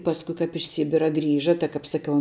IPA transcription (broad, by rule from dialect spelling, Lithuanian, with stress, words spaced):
ˈpɑːskʊ kɐp ɪʃ ˈsʲiːbʲɪrɐ ˈɡrʲiːʒɐ tɐɪ kɐp sɐˈkʲɛʊ